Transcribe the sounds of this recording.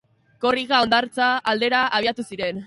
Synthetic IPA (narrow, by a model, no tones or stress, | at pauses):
ko̞riɣao̞nd̪aɾt͡saːld̪e̞ɾaʔaβ̞iat̪usiɾe̞n